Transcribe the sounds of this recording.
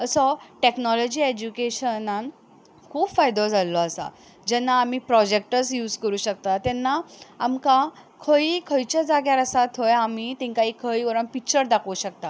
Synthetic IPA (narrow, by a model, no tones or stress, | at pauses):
əsɔʈeknɔlɔd͡ʑiːed͡ʑukeɕənan | kʰuːbfajd̪ɔd͡zʱalːɔəsa̰ | d͡ʑɛnːaːm̤iːpɾɔd͡ʑek̚ʈəsjuːd͡zkəɾuːɕək̚t̪at̪ɛnːaamka | kʰəikʰəjt͡ɕad͡zaɡjaɾəsat̪ɦojamit̪ɛ̃ŋkaikʰəjɡɔɾə̃npik̚t͡ɕəɾd̪akʰouɕək̚t̪a